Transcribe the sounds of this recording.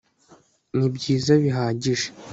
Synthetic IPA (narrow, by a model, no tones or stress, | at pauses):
nibɟiːzaβiɦaːɟiʒe